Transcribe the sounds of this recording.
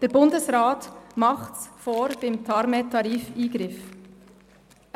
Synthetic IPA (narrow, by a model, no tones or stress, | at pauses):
d̥ɛːɾbʊndəsɾaːtmɑχtsfoːɾb̥ɪmtʰɑɾmɛtʰɑɾiːfiːɡɾɪf